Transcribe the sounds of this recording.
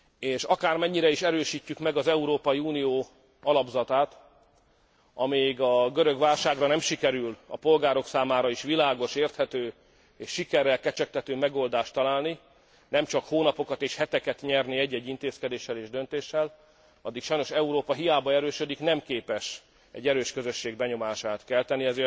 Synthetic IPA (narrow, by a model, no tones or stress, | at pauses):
eːʃɒkaːrmɛɲːiɾɛiʃɛɾøːʃiːcːykmɛɡɒzɛuɾoːpɒiuːnijoː | ɒlɒbzɒt̪aːt̪ | ʔɒmeːjɡɒɡøɾø̞ɡʋaːlʃaːɡrɒnɛmʃikɛɾylɒ̰po̞lɡaːɾo̞ksaːmaːɾɒiʃʋilaːɡo̞ʃeːrt̪hɛt̪øː | eːʃːikɛɾːɛlkɛt͡ʃɛk̚t̪ɛt̪øːmɛɡo̞ld̪aːʃt̪ɒlaːlni | nɛmt͡ʃɒkhoːnɒpo̞kɒt̪eːʃhɛt̪ɛkɛt̪ɲɛrniɛɟːɛɟːint̪eːskɛd̪eːʃːɛleːʒd̪ønt̪eːʃːɛl | ɒ̰d̪ːikʃɒjno̞ʃɛuɾoːpɒɦijaːbɒɛɾøːʃød̪iknɛmkeːpɛʃ | ɛ̰ɟːɛɾøːʃkøzø̞ʃːeːɡ̚bɛɲo̞maːʃaːt̪kɛlt̪ɛnːiɛzeː